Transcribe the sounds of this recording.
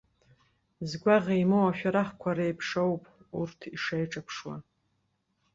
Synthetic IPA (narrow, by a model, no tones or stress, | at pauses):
zɡʷaʁejmowaʃᶣaɾaχkʷʰaɾejpʰʂowpʼurtʰiʂajʈ͡ʂʼapʰʂwa̰